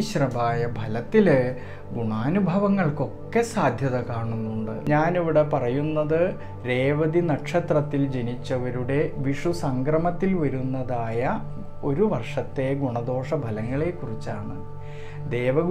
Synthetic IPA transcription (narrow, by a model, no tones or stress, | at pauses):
ɕrɐbaːjɐbʱɐlɐt̪ːil | ɡuɳaːnubʱɐʋɐŋːɐɭko̞kːe̞saːd̪ʱjɐðɐkaːɳunːuɳɖɨɲaːniʋiɽe̞pɐrɐjunːɐðɨ | ɾe̞ːʋɐd̪inɐʈʂɐt̪rɐt̪ːild͡ʑe̞nit͡ɕːɐʋɐɾuɽe̞ʋiʂusɐŋɡrɐmɐt̪ːilʋɐɾunːɐðaːjɐ | o̞ɾuʋɐrʂɐt̪ːe̞ɡuɳɐd̪o̞ːʂɐbʱɐlɐŋːɐɭe̞kːurit͡ɕːaːɳɨ | d̪e̞ːʋɐɡ